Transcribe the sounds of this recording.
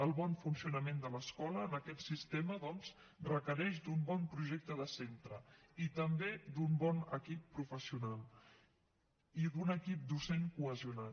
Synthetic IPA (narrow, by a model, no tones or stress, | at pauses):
əlˠβɔnfunsiunəmend̪ələskɔləːnəkɛt̪sist̪eməðɔnz | rəkəɾɛʃd̪umbɔnpɾuʒɛk̚t̪əðəsent̪ɾəit̪əmbed̪umbɔnəkipːɾufəsiunalˠ | iðunəkip̚d̪useŋkuəziuna